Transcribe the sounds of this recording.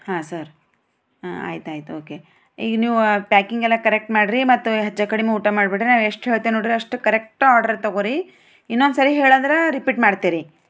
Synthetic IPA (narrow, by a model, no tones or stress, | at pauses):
haːsɐɾ | a̰ːjit̪uaːjit̪uoːke | ḭːɡɐniːʋupjaːkiŋɡɛlːɐkɐɾek̚ʈmaːɽɾimɐt̪ːuɦɐd͡ʒːɐkɐɽimeuːʈamaːɖbiʈɾinaːʋeʂʈɦeːɭt̪enoːɽɾiɐʂʈukɐɾek̚ʈaːɾɖɐɾt̪ɐɡoːɾi | inːond̪sɐɾiɦe̞ːɭɐnd̪ɐɾeɾipiːʈmaːɖt̪iɾi